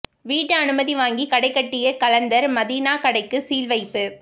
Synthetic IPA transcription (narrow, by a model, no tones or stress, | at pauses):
ʋiːʈːɯɐnɯmɐðiʋaːŋɡikɐɽɐɪkːɐʈːɪjɐkɐlɐnd̪ɐɾmɐðiːnaːkɐɽɐɪkːɯsiːlʋɐɪpːɯ